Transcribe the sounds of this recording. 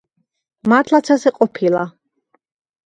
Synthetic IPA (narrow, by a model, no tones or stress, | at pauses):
maɾt̪ʰlat̪sʰasɛqʼɔpʰilˠa